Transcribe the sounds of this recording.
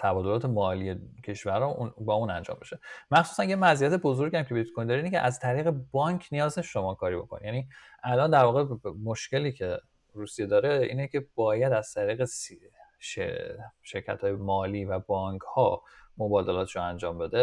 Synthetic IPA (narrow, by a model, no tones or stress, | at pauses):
t̪ʰæbɒːd̪olɒːt̪ʰemɒːlijecʰe̞ʃvæɾɒunbɒːuːnænd͡ʒɒ̰ːmbe̞ʃe̞mæxsuːsænjemæzijæt̪ʰe̞bo̞zo̞ɾɟiæmcʰe̞beut̪̚kʰond̪ɒːɾinecʰʲḛʔæzt̪ʰæɾiːɣe̞bɒːɲkʰnijɒːzeʃʃo̞mɒːkʰɒːɾibo̞̰kʰonḭjæni | ʔælɒnd̪æɾvɒːɣemoʃce̞liːcʰe̞ | ɾuːsijed̪ɒːɾeʔḭːnecʰe̞b̥ɒːjæd̪æz̥t̪ʰæɾiːɣesʃḛʃe̞ɾcʰæ̰t̪hɒːjemɒːliːvæbɒːŋkʰhɒːmo̞bɒːd̪e̞lɒːt̪ʰʃoænd͡ʒɒːmbe̞d̪e